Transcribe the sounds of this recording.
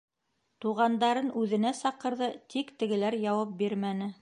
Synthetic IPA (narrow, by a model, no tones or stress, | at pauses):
t̪uʁɑnd̪ɑɾɤnʔʉðɘ̆næsɑqɤ̆ɾðɤt̪ikt̪ɘ̆ɡɘ̆læɾjɑwɑp̚biɾmænɘ